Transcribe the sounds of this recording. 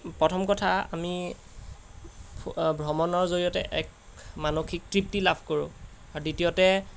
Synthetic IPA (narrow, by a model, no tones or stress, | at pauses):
pɹɔtʰɔmkɔtʰaa̰mi | bʱɔmɔnɔɹzoɹijɔtɛʔɛk | manoxʰik̚tɹip̚tilabʱkoɹṵ̃ | aɹditijɔtɛ